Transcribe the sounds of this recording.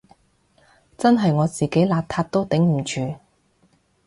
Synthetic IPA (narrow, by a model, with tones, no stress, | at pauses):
t͡sɐ˥nɦɐ˨jŋɔː˨˧t͡siː˨ke˨˥jlaː˧p̚t̪ʰaː˧t̚t̪o˥wt̪ɪ˨˥ŋm̩˨˩t͡ʃʰyː˨˧